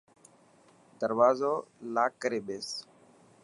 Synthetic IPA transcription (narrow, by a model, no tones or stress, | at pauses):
d̪əɾʋaːzoːlaːkːəɾeːɓeːs